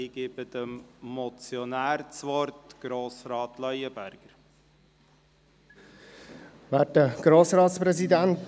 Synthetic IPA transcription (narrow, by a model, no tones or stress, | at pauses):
iɡ̥ɪb̥əd̪̥əmmɔt͡sjɔnæːɾt͡sʋɔɾtɡ̥ɾoːsɾɑːtlœjəbæɾɡ̥əɾ | ʋæːtəɡ̥ɾoːsɾɑːt̪spɾɛsidænt